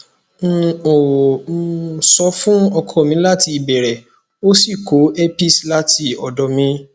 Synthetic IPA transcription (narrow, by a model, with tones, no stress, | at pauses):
o˨˦˨ | sɔ˧fũ˦ɔ˧kʰɔ˦˨mĩ˨˧˦la˦ti˧i˨bɛ˨ɾɛ˨ | o˦si˦˨ko˨˦e˦pi˦˨sla˦tʰi˧˦ɔ˨dɔ˨mĩ˧˦